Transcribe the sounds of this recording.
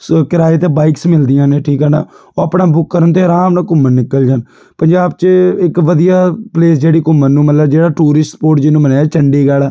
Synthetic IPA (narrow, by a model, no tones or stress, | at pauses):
kɪɾaːet̪eːbaːɪksmɪld̪ɪjãːneːʈʰiːkəna̰ː | oːəpɽãːbʊkːəɾənt̪eːɾãːmnaːkʊmːənnɪkːəld͡ʒaːn | pəɲd͡ʒaːbt͡ʃɪkʋəd̪ijaːpleːsd͡ʒeːɽiːkʊmːənnũːmət̪ləbd͡ʒeːɽaːʈuːɾɪsʈpoːɾʈd͡ʒɪnũːmənaːaːt͡ʃəɳɖiːɡɛːlaː